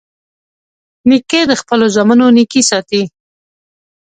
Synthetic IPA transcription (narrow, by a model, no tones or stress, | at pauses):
niked̪əxpəlozamanonikisɑt̪i